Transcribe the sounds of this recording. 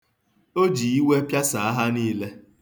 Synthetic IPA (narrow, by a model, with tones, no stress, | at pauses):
o˦d͡ʒi˨i˦we˦pja˦sa˨a˦ɦa˦niː˦le˦